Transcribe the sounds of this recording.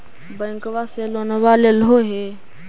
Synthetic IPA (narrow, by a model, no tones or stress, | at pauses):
bə̃ŋkwaselonwaleloɦe